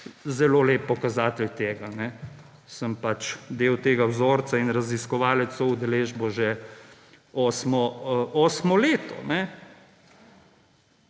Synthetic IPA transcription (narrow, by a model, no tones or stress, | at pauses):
zɛloːleːpːɔkazaːt̪ɛlt̪eːɡanɛ | səmpat͡ʃd̪eːwt̪eːɡawzoːɾt̪sainɾaziskɔʋaːlɛt̪soud̪ɛleːʒbɔʒɛ | ɔːsmɔoːsmɔleːt̪ɔ̰nɛ